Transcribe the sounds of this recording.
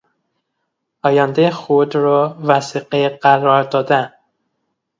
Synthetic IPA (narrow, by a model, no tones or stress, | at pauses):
ɒːjænd̪exod̪ɾɒvæsiqeɢæɾɒːɾd̪ɒːd̪æn